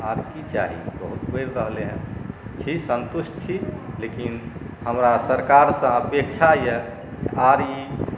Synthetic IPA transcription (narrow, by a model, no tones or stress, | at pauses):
aɾkit͡ʃa̰ɦḭbəɦut̪pəɪɾɾəɦleɦə̃nt͡ʃʰisə̃nt̪usʈt͡ʃʰilekin | həmɾasəɾkaɾsə̃əpek̚t͡ʃʰajə | kʔaɾi